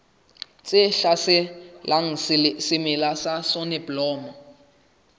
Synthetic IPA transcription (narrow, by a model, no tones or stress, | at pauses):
t͡sʼɪɬasɪlʔaŋ̩sɪmɪlasasɔnɛblɔːmɔ